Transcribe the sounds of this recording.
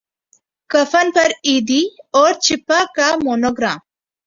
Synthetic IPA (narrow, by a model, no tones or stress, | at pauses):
kɐfənpɐɾiːd̪iɔːɾt͡ʃɪpːakamoːnoːɡɾãːm